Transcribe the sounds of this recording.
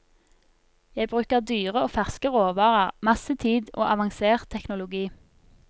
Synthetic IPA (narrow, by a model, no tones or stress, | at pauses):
jæɪbʁʉːkəʁd̪yːʁəoːfæʁskəʁoːʋɑːʁəʁmɑsət̪ʰiːd̪o̰ːʔɑʋɑŋseːʁt̪ʰɛknʊlʊɡiː